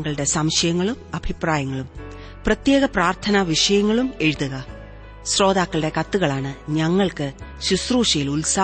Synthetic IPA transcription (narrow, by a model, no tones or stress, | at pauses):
ŋːɐɭɨɽe̞sɐmɕɐjɐŋːɐɭumɐbʱipraːjɐŋːɐɭum | prɐt̪je̞ːɣɐpraːrt̪ʰɐnɐʋiʂɐjɐŋːɐɭume̞ɻuðuɣɐ | ɕro̞ːðaːkːɐɭɨɽe̞kɐt̪ːuɣɐɭaːɳɨɲɐŋːɐɭkɨɕusruːʂɐjilulsaː